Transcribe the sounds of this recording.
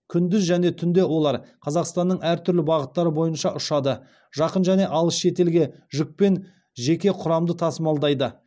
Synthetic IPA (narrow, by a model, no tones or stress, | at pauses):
kʲʰʏnd̪ɪzʒæne̞t̪ʰʏnd̪e̞wo̞lˠɑɾqʰɑzɑqst̪ɑnːəɴæɾt̪ʰʏɾlɪbɑʁət̪ːɑɾəbo̞jənʃɑʔʊʃɑd̪ə | ʒɑqənʒæne̞ʔɑlˠəsʃe̞t̪e̞lɡʲe̞ʒʏk̚pe̞n | ʒe̞kʲe̞qʰʊɾɑmd̪ət̪ʰɑsəmɑlˠd̪ɑjd̪ə